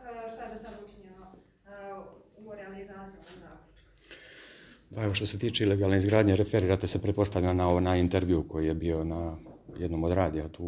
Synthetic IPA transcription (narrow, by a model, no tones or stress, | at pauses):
ʃt̪ad̪esad̪ut͡ʃɲea | umoɾeanizaːt̪sijunazaːko | pae̞ʋo̞ʃt̪o̞se̞t̪iːt͡ʃeileɡaːlne̞izɡɾaːd̪ɲeɾefe̞ɾiɾat̪e̞sepɾet̪̚po̞st̪aʋʎʲanaonaint̪eɾʋiuko̞jije̞bio̞najed̪no̞mod̪ɾaːd̪ijat̪uː